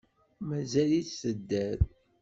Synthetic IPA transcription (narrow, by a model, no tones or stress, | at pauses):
mæzæliθsəd̪ːæɾ